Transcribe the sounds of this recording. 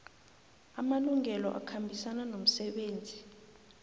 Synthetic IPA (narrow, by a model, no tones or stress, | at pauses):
amaluŋʱɛlɔ̰ʔa̰kʰambʱisananom̩sɛɓeːnd͡zʱi